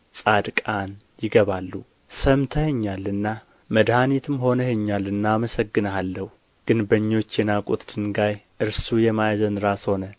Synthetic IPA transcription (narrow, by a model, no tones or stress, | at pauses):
sʼad̪kʼan | jɪɡəβalːu | səmt̪ʰəhɛɲːalːɨnːa | məd̪hanit̪ʰɨmho̞nəhɛɲːalɨnːaːməsəɡːɨnəalːəhu | ɡ̥ɨnbəɲːo̞t͡ʃːjɛnakʼut̪d̪̥ɨnɡajʔɨɾsujɛmajzənɾasho̞nə